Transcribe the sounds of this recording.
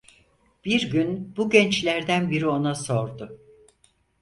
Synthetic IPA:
b̥iɾɟynbuɟɛnt͡ʃlʲæɾd̪ænbiɾio̞naso̞ɾd̪ʊ

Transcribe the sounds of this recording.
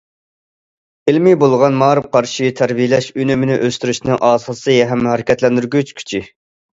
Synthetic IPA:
ɪlmibolˠʁɑnmɑːɾɨmqʰɑɾʃit̪ʰæɾbijlɛʃynymɪnɪʔøst̪yɾyʃnɨŋʔɑːsɑsɨjɛɦɛmːɦæɾɪkʲʰɛt̪lɛnd̪yɾɡʲyt͡ʃʰkʲʰy̥t͡ʃʰi

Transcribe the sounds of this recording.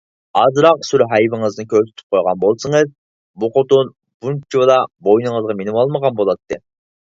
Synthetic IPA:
ɑzɾɑqsyɾɦɑjbɪŋɨznɨkʲøɾsɪ̥t̪ʰy̥p̚qʰojʁɑnbolˠsɨŋɨz | buqʰot̪un | b̥unt͡ʃʰiwlˠɑbojnɨŋəzʁɑmenɪmɑlˠməʁɑnbolˠɑt̪ʰːɨ

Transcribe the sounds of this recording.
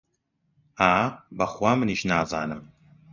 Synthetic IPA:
aːbɐχʷaːmɨniːʃnaːza̰ːnɨm

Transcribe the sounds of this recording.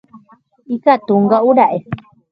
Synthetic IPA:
ikat̪uŋɡauɾaʔe

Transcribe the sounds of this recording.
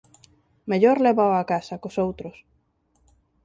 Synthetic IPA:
meʎoɾleβawakasɐkosowt̪ɾʊs

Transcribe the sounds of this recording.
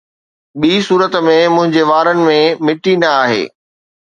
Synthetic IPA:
ɓiːsuːɾət̪mẽmʊ̃ɦɪ̃ɲd͡ʑeʋaːɾənɪ̆mẽmɪʈinɐaːɦḛː

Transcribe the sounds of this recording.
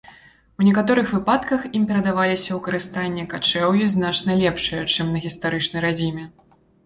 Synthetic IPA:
wnʲɛkat̪ɔɾɨxvɨpat̪kɐximpʲɛɾɐd̪avalʲisʲɐwkɐɾɨst̪anʲːɛkat͡ʂɛwjiznat͡ʂnɐlʲɛpʂɨjɐt͡ʂɨmnɐɣʲist̪aɾɨt͡ʂnɐjɾad͡zʲimʲɛ

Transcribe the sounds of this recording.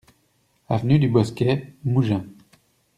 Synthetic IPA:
avnyd̪ybɔskʲɛmuʒɛ̃

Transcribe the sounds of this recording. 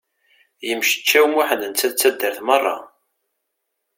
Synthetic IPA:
jəmʃə̥t͡ʃːæwmuħənənt͡sːæðt͡sːæd̪ːəɾθmɑrˤːɑ̰

